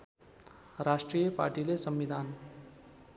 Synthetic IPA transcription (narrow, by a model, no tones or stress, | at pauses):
rasʈrijʌpa̰rʈilesʌmːid̪ʱan